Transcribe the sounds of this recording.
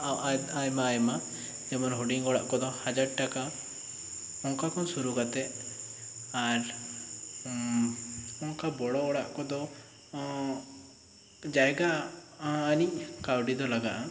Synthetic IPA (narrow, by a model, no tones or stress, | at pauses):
ajmaːjma | d͡ʒɛmɔnɦuɖiŋɔɽa̰ʔkɔd̪ɔhad͡ʒaɽʈaka | ɔnkakʰɔnsuɾuɡat̪ɛ | aɾ | ɔnkabɔɽɔɔɽaʔkɔd̪ɔ | d͡ʒajɡaː | niʔkawɖid̪ɔlaɡaʔa